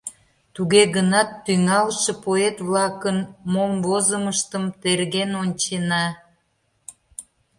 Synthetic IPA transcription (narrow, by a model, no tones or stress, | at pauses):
t̪uɣeɣənɑt̪ːyŋɑlʃepoet̪βlɑkənmomβozəməʃt̪əmt̪erɣenonʲt͡ɕenɑ